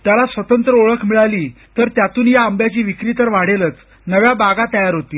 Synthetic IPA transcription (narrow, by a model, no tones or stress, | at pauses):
t̪jalasʋət̪ənt̪ɾəoɭəkʰmiɭaliː | t̪əɾt̪jat̪uːnjaəmbjat͡ɕiːʋikɾiːt̪əɾʋaɽelət͡s | nəʋjabaɡat̪əjaɾɦot̪iː